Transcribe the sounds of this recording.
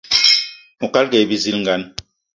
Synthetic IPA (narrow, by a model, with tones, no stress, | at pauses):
mu˨ka˦lke˨bi˦zi˦lŋɡa˨˦n